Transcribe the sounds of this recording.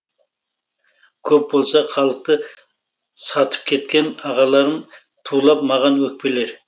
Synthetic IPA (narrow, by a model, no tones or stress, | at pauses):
kʲʰɵp̚bolˠsɑχʰɑlˠəq̚t̪ə | sɑt̪ʰə̥p̚kʲʰe̞t̪kʲe̞nɑʁɑlˠɑɾən | t̪ʰulˠɑp̚mɑʁɑnwɵk̚pe̞leɾ